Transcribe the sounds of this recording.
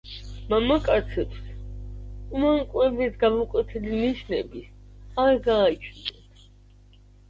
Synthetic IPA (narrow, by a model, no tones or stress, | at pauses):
mamakʼat̪sʰɛps | umaŋkʼwɛbisɡamɔkʼwɛt̪ʰɛliniʃnɛ̰bis | aɾɡaːt͡ʃʰnɛn